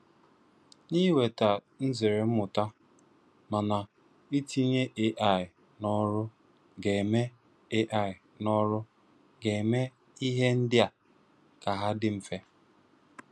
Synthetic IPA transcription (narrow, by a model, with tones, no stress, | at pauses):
ɲi˦we˨ta˨ | n̩˦zɪ˨ɾe˨m̩˦mʊ˨ta˦ | ma˨na˨ | i˦ti˦ɲe˦ʔe˦ʔa˨ɪ˨ | nɔ˦ɾʊ˦ | ɡe˨me˦ | e˦ʔa˨ɪ˨ | nɔ˦ɾʊ˦ | ɡe˨me˦ | i˦ɦe˦n̩˦dɪ˦a˨ | ka˨ɦa˦dɪ˦m̩˨fe˦